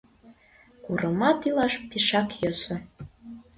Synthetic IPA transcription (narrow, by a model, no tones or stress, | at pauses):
kuɾɤmɑt̪ilɑʃpiʃɑkjosə̆